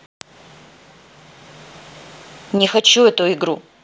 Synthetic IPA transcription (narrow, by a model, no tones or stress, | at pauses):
nʲexat͡ʃuɛt̪uiɡɾu